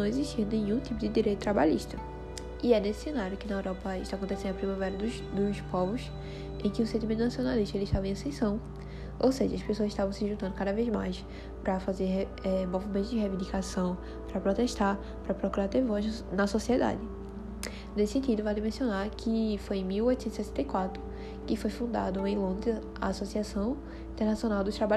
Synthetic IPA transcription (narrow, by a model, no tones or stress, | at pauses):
nɐ̃w̃eziʃt̪inẽjɲũt̪ipʊd̪ɪd̪iɾejt̪ʊt̪ɾaba̰ʎiʃt̪ɐ | iɛnesɪ̥sẽnaɾjʊkɪnɐewɾɔpɐɪʃt̪akõnt̪esẽd̪ɐpɾĩmavɛɾɐd̪ʊ | d̪ʊspɔvʊs | ẽj̃kɪũsẽnt̪imẽnt̪ʊnasiõnaliʃt̪ɐelɪʃt̪avɐ̃ẽɐsẽsɐ̃w̃ | o̰wseʒɐɐspesoɐzɪiʃt̪avɐ̃sɪʒũt̪ɐ̃d̪ʊkad̪ɐvejzmajs | pɾɐfazeɾ | ɛmovimẽnt̪ʊzd͡ʒɪhevĩd̪ikasɐ̃w̃ | pɾɐpɾɔt̪ɛʃt̪aɾ | pɾɐpɾɔkuɾaɾt̪evɔʒnɐsɔsiɛd̪a̰d͡ʒɪ | nesɪ̥sẽnt̪id̪ʊvajlimẽsiõnaɾkʰɪfojẽj̃miwojt̪ʊsẽt̪sɛsẽnt̪ejkwat̪ɾʊ | kɪfojfũnd̪a̰d̪ʊẽj̃lõnd̪ɾɪz | ɐ̰ːsɔsiasɐ̃w̃ | ĩt̪ɛɾnasiõnawd̪ʊʃt̪ɾaba